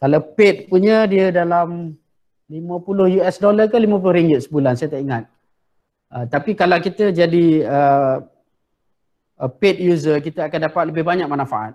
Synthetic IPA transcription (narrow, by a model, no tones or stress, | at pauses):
kalawpet̪̚puɲədiədalam | limə̃pulʊhjuɛsdolarkəlimə̃p̬ulʊhɾiŋɡɪt̪̚səbulansajat̪aʔiŋat̪̚ | ət̪apikalawkit̪əd͡ʒadiə | pet̪̚juzərkit̪əakandapat̪̚ləbɪhbaɲak̚manãfaʔa̰t̪̚